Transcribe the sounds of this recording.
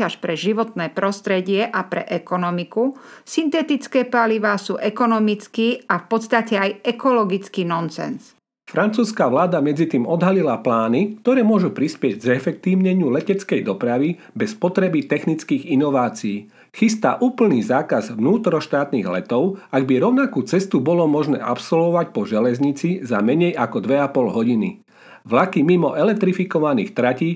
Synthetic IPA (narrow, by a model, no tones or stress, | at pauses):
aʃpɾɛʒiʋɔt̪nɛːpɾɔst̪ɾɛɟɪɛʔapɾɛ̰ʔɛkɔnɔmikusint̪ɛt̪it͡skɛːpaliʋaːsuːʔɛkɔnɔmit͡skiːafpɔt̪st̪acɛajɛkɔlɔɡit͡skiːnɔnsɛ̰ns | fɾʔant͡suːskaʋlaːd̪amɛd͡zit̪iːmɔd̪ɦalilaplaːnikt̪ɔɾɛːmʊɔʒupɾispɪɛɟɡɛfɛk̚t̪iːʊɲɛɲɪulɛcɛt͡skɛjd̪ɔpɾaʋi | bɛspɔt̪ɾɛbit̪ɛxnit͡skiːɣinɔʋaːt͡siiː | xist̪a̰ʔuːpl̩niːzaːkazʋnuːt̪ɾɔʃt̪aːt̪niɣlɛt̪ɔʊaɡ̚biɾɔʊnakuːt͡sɛst̪ubɔlɔmɔʒnɛ̰ːʔapsɔlʋɔʋac̚pɔʒɛlɛzɲit͡sizamɛɲɛjakɔd̪ʋɛapɔlɦɔɟinḭ | ʋlakimimɔʔɛlɛk̚t̪ɾifikɔʋanḭːxt̪ɾaciː